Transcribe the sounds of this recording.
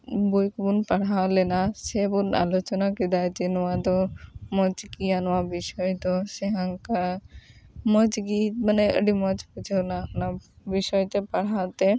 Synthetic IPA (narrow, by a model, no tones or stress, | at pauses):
bujkbunpaɽ̤awlenasebuna̰lot͡ʃɔnakid̪ajd͡ʒenwad̪ɔmɔd͡ʒkianwabiʃɔjt̪ɔseɦaŋka | məd͡ʒɡit̪maneə̰ɖimɔd͡ʒpud͡ʒʱewnapnabiʃɔjt̪epaɽ̤awt̪e